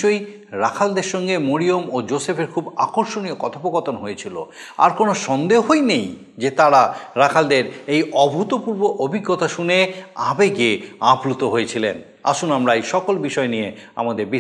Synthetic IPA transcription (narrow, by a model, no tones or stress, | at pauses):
oj | ɾakʰald̪eɾʃɔŋɡemoɾiomod͡ʑosefʰeɾkʰubakoɾʃoniokɔt̪ʰapoɡɔt̪onɦojet͡ɕʰilo̰a̰ɾkonoʃɔnd̪eɦojnej | d͡ʑet̪aɾaɾakʰald̪eɾejɔbʱut̪opuɾboʔobʱiɡːot̪aʃuneabekeaplut̪oɦoet͡ɕʰilḛn | a̰ʃunamɾaejʃɔkolbiʃɔenijea̰mad̪eɾbi